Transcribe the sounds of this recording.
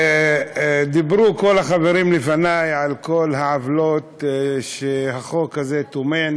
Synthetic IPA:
d̪ibʁuko̞laχaveɾimlefanajʕalko̞lhaʕavlot̪ʃehaχo̞khazet̪omen

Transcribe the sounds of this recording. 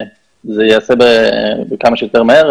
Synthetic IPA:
zejeasebebekamaʃejot̪eʁmaheʁ

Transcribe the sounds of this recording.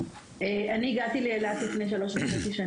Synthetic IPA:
eaniːɡat̪ileelat̪lifnejʃ̬alo̞ʃvamesiʃa

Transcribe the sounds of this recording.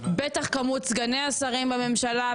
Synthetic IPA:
bet̪aχkamut͡sɡaneasaʁimbame̞mʃala

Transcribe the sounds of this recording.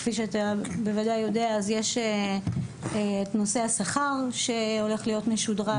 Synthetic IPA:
fiʃeatabe̞vadajo̞deaːzjeʃe | tno̞se̞asaχaʁʃeo̞le̞χlijo̞tmeʃudʁa

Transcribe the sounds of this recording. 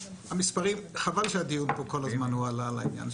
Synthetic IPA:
hamispaʁimχavalʃead̪ijunpoko̞lazmanhualala̰inja̰n

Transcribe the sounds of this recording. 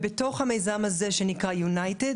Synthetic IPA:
beto̞χhame̞jzamazeʃenikʁajunajted

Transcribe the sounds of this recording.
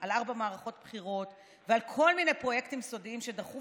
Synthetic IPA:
ʔalaʁbamaːʁaχo̞tpχiʁo̞t | vealkʰo̞lminepʁo̞je̞ktimso̞diimʃe̞daχu

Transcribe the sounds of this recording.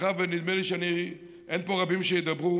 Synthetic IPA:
avenid̪meliʃeani | enpo̞ʁabimʃejed̪ɐbʁu

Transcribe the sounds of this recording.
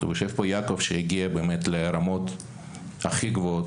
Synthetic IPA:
ṵjoʃevpojakovʃeiɡiabeːmet̪leɾamot̪ | aχiɡvoot̪

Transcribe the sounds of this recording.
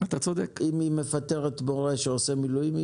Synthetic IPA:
at̪at͡sod̪ekimime̞fat̪e̞ʁet̪boʁeʃeosemilujimi

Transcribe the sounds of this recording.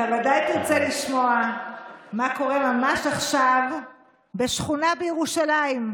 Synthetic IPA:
tavadajt̪iʁt͡seliʃmo̞a | makoʁe̞mamaʃaχʃav | be̞ʃχunabejeʁuʃalaim

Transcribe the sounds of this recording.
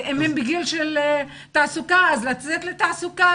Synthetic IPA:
ʔemembiɡilʃel | t̪aʕsukaazlat͡set̪let̪aʕsuka

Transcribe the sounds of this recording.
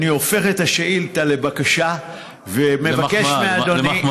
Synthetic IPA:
niofe̞χet̪aʃeʔilt̪ale̞bakaʃa | ve̞mevakeʃmeaːd̪oni

